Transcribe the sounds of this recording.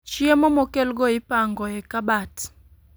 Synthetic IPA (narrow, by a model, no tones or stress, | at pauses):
t͡ʃiemɔmokelɡɔɪpaŋɡɔɛkabat